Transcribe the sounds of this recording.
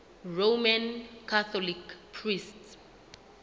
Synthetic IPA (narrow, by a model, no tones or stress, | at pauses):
romãnkʰaθɔlikpʰrists